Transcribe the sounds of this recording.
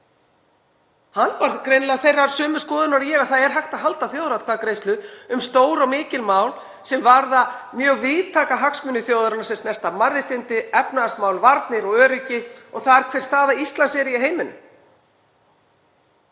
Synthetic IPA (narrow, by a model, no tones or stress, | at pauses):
hanːpaɾðkɾejnlɛɣaθejrːaɾ̥sœːmʏ̥skɔːðʏnaɾjɛːɣaðθaðɛɾ̥ɦajxt̪aðɦalt̪aθjoːwðɾat̪kʰvaːðkɾejst̪lʏʏmst̪oːwɾamɪːcɪlmaːwl | sɛmvaɾðamjœːɣvɪðt̪ʰaːkaɦaksmʏnːɪθjowðʏɾanasɛmst̪nɛr̥t̪amarːɪt̪ɪnt̪ɪɛpnaasmawlvaɾt̪nɪɾɔɣœːɾʏcɪɔɣθaðɛɾkʰvɛr̥st̪θaːðaist̪lansɛɾɪɪɦejmɪnʏ̰